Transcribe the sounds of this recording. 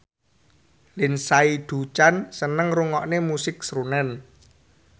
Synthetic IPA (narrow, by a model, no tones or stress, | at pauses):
lɪnsaid̪̥ṳt͡ʃansənəŋruŋɔʔnemusɪksɾunɛn